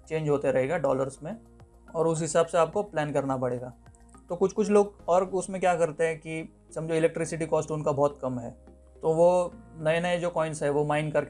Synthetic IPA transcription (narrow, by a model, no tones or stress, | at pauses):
t͡ʃẽːɲd͡ʒʱɦoːt̪eɾɐɦeːɡaɖɔːləɾsmẽ | ɔːɾʊs̬ɦɪsaːbseaːp̚koplɛːnkɐɾnapɐɽ̤eːɡaː | t̪oːkʊt͡ʃʰkʊt͡ʃʰloːɡɔːɾʊsmẽkjaːkɐɾt̪eɦɛ̃ki | sɐ̃md͡ʒeɪlɛk̚ʈɾɪsɪʈ̬ikɔːsʈʊnkabɔːt̪kɐmɦɛː | t̪oʋonɐenɐed͡ʒoːkɔːɪ̃nsɦɛʋomaːɪnkɐɾk